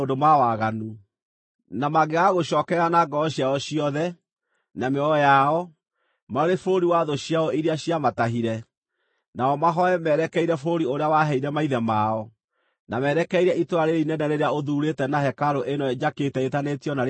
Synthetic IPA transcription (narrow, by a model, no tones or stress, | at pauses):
odomawaɣanu | namaɣeɣaɣoɕɔːkɛanaɡɔɔɕjaɔɕiɔðɛ | nameɔjaɔ | maɾefoɾoɾiwaðoɕijaɔiɾeaɕiamataɦiɾɛ | naɔmaɦɔɛmɛɾɛkɛiɾɛfoɾoɾioɾeawaɦɛiɾɛmaiðɛmaɔ | namɛɾɛkɛiɾɛʔitoɾaɾeinɛnɛɾeɾeaoðuːɾetɛnahɛkaɾoʔenɔd͡ʒaketɛetanetiɔnaɾ